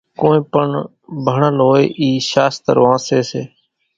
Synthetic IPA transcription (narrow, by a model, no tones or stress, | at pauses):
koːĩːpəɳ | bʱəɳəlɦoːeːʔiːʃaːst̪ə̰ɾʋãːseːseː